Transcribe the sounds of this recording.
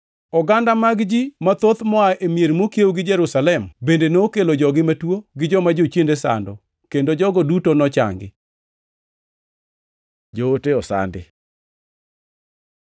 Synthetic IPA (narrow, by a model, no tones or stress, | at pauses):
ɔɡandamaɡd͡ʒimat̪ot̪mɔaʔemjeɾmokjewɡɪd͡ʒɛɾusalɛmbendenokelod͡ʒɔɡɪmatwoɡɪd͡ʒɔmad͡ʒot͡ʃjendesa̰ndɔ | kendod͡ʒɔɡɔdutonɔt͡ʃa̰ŋɡɪ̰ | d͡ʒooteɔsa̰ndɪ̰